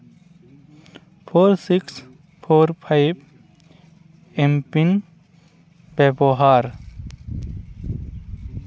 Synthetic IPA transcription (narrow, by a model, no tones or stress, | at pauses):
pʰoːɾsiks | pʰoːɾpʰajb | empin | bebɔɦaɾ